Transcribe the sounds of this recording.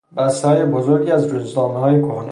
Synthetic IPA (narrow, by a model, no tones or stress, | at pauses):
bæst̪ehɒːjebozoɾɡiæzɾuzd̪ɒːmeɦɒːjekʰohn